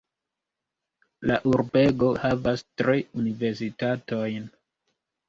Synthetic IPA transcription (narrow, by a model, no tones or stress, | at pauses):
laʔuɾbeɡo̞havastɾiunive̞ɾs̬itatojn